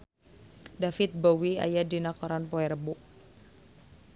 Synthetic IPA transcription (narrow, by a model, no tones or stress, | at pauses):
dafɪt̪̚bowia̰jadinakɔɾanpɔɛɾəbuʔ